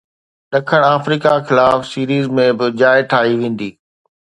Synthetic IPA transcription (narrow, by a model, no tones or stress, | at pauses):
ɗɐkʰəɽ̃aːfɾiːkaxɪlaːfsiːɾiːzmẽbɪd͡ʑaːɪʈʰaːɦiʋẽːn̆d̪iː